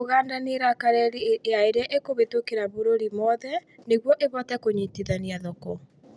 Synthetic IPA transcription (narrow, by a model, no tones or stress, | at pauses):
oɣaːndaneɾakaɾɛɾieaeɾeaʔekoβetokeɾaβoɾoɾimɔðɛneɣwɔʔeβɔtɛkoɲitiðaniaðɔkɔ